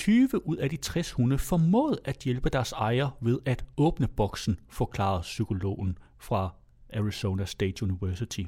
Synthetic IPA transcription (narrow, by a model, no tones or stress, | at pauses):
t͡sʰyːʋəʔuð̞̰ˠæd̥it͡sʰʁɛshunðfɒmɔ̰ːð̩ˠæd̥jelb̥əd̥æɐsɑ̈ɪɐʋe̝ðˠæd̥ɔ̽ːb̥nəb̥ɒ̽ɡ̥sn̩fɒ̽kʰlɑ̰̈ð̩ˠsykʰo̝lo̝̰ːn̩ | fʁɑ̈ | æʁiso̝ːnæsd̥ḛːd̥juniʋæɐsit͡sʰi